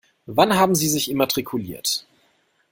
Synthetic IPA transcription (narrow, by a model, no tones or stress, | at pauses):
vanɦaːbm̩ziːzɪçʔɪmatʁ̥ikʰulḭːɐt